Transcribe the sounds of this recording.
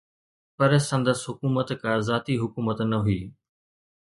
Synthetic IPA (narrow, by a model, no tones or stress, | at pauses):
pɐɾsɐ̃nd̪əsɦʊkuːmət̪kãːzaːt̪iɦʊkuːmət̪nɐɦʊiː